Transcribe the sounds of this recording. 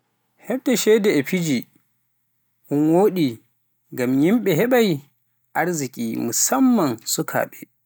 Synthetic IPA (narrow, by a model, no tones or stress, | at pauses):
hɛɓdɛʃɛdɛɛpid͡ʒi | ʔʊnwoːɗi | ɡamjimɓɛɦɛɓaj | ʔaɾzikʲʼiːmusamːansukʰa̰ːɓɛ